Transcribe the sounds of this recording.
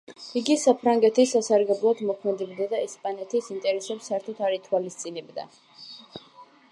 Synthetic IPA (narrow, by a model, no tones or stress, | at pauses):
iɡisapʰɾaŋɡɛt̪ʰisasaɾɡɛblˠɔd̪mɔkʰmɛd̪ɛbd̪ad̪aɛspʼanɛt̪ʰisint̪ʼɛɾɛsɛpsaɛɾt̪ʰɔt̪ʰaɾit̪ʰwalist̪sʼinɛbd̪a̰